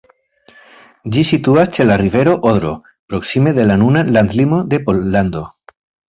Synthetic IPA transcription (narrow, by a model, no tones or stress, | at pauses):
d͡ʒisit̪uast͡ʃe̞larive̞ɾo̞ʔoðɾo̞̰ | pɾo̞ksime̞ðe̞lanunaland̪limo̞d̪e̞polːand̪o̞